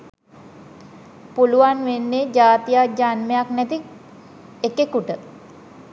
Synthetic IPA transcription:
puluʋanʋenːed͡ʒaːt̪ijad͡ʒanmejaknæt̪i | ekekuʈə

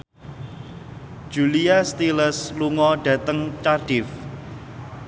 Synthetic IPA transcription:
d͡ʒ̥uliast̪iləsluŋɔɖ̥ä̤t̪əŋt͡ʃarɖ̥ɪf

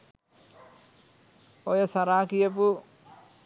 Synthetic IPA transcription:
ojɐsɐɾaːkijɐpu

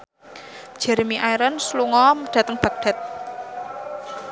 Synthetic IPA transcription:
d̥ʒ̥ɛ̤ɾmiʔaiɾɔnsluŋɔməɖ̥ä̤t̪əŋb̥a̤k̚ɖ̥a̤t̪̚

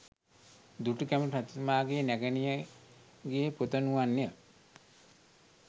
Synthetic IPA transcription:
d̪uʈukæməʈat̪umaːɡeːnæɡənijə | ɡeːpot̪ənuʋanjə

